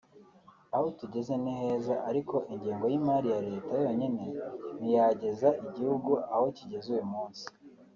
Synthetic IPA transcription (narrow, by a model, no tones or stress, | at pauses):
ahotuɟe̞ze̞nihe̞ːzaʔaɾiko̞ʔiɲɟiːŋɡo̞jimaːɾijaɾe̞ːtajo̞ːɲine̞nijaɟe̞zaʔiɟihuɡuaho̞ciɟe̞zujumuːnsi̥